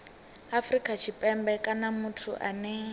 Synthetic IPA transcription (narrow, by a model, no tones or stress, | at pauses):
afrikʼat͡ʃʰipʼɛmbɛkʼanamutʰṵʔanɛ